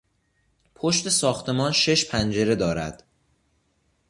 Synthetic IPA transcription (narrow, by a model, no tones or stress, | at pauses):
pʰoʃt̪e̞sɒːxt̪ʰe̞mɒːnʃe̞ʃpʰænd͡ʒe̞ɾe̞d̪ɒːɾæ̰d̪̥